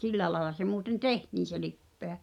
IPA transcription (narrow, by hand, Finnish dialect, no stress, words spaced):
silːæĕ lɑĕlɑ se muːten tehtiːn̞ se lipːeæ